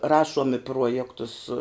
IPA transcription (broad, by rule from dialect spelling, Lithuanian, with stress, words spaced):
ˈrɑːʃuɔm ɪ ˈpruɔjɛktʊs